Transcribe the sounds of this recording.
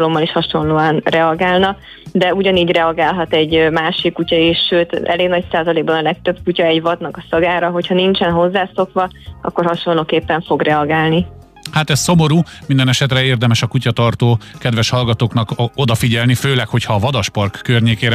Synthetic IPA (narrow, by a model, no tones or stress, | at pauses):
lo̞mːɒliʃhɒʃo̞nloːɒnrɛɒɡaːlnɒ | d̪ɛuɟɒniːɟrɛɒɡaːlɦɒt̪ɛɟmaːʃikːucɒiʃːøːt̪ɛ̰leːɡnɒcsaːzɒleːɡ̚bɒnɒlɛk̚t̪øb̚kucɒɛɟvɒd̪nɒkɒsɒɡaːɾɒɦo̞chɒnint͡ʃɛnɦo̞zːaːso̞kʋɒɒ̰kːo̞rhɒʃo̞nloːkeːpːɛɱfo̞ɡrɛɒɡaːlni | hat̪ɛsso̞moɾuːmind̪ɛnɛʃɛt̪rɛeːrd̪ɛmɛʃɒkucɒt̪ɒrt̪oːkɛd̪ʋɛʃhɒlɡɒt̪oːknɒko̞d̪ɒfiɟɛlniføːlɛkho̞chɒːvɒd̪ɒʃpɒrkːørɲeːkeːɾ